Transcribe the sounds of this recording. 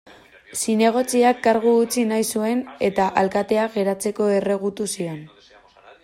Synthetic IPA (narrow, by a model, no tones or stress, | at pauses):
sine̞ɣ̞o̞t͡siakːaɾɣ̞uːt͡sinajsue̞ne̞t̪aʔalkat̪e̞aɣe̞ɾat͡se̞ko̞e̞re̞ɣ̞ut̪usio̞n